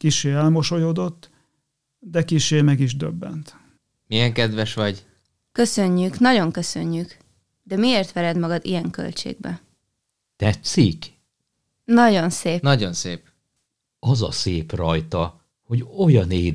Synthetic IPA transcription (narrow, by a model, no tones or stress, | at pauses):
kiʃeːɛlmo̞ʃojoːd̪o̞t̪ː | d̪ɛkiʃeːmɛɡiʒd̪øbːɛ̰nt̪ | mijɛŋkɛd̪ʋɛʃʋɒɟ | køsøɲːyknɒɟo̞ŋkø̞søɲːyk | d̪ɛmieːrt̪ʋɛɾɛd̪mɒɡɒd̪ḭjɛŋkø̰lt͡ʃḛːɡ̚bɛ̰ | t̪ɛt̪sik | nɒɟo̞nseːnɒɟo̞nseːp | ɒzɒ̰seːprɒjt̪ɒ | ho̞ɟo̞jɒneː